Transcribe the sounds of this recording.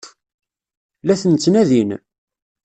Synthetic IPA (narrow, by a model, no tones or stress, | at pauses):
læθənt͡sːnæðin